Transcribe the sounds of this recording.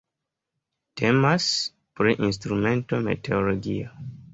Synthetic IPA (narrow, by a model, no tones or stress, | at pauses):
te̞mas | pɾiʔins̬tɾume̞nto̞me̞̰te̞olo̞ɡia